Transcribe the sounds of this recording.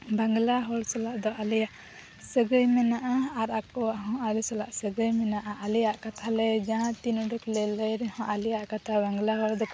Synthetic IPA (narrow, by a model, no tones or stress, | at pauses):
baŋɡlaɦɔlsɔlaʔd̪ɔʔalijaʔ | səɡəjmɛnaʔaaɾakɔaʔɦɔ̃alisɔla̰ʔsəɡəjmɛnaʔaʔalijaʔkat̪ʰalɛd͡ʒãt̪inuɖuklɛləjɾɛhɔ̃ʔalijaʔkat̪ʰabaŋɡlaɦɔld̪ɔ